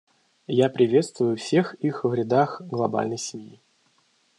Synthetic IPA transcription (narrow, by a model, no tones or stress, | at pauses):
japɾʲɪvʲe̞t̪st̪vʊjʊfsʲe̞xixvɾʲɪd̪axɡlˠɐba̰lʲnəjsʲɪmʲji